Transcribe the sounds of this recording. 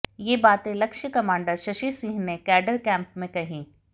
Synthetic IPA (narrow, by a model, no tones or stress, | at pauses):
jeːbaːt̪ẽlɐkʃəkɐmãːɳɖəɾʃɐʃisĩːɦnekɛːɖəɾkɛ̃ːmpmẽkɐɦĩː